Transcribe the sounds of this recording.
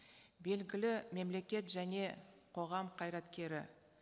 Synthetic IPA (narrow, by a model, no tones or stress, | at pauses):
be̞lɡʲɪlɪme̞mle̞kʲe̞t̪ʒæne̞qʰo̞ʁɑmqʰɑjɾɑt̪kʲe̞ɾɪ̰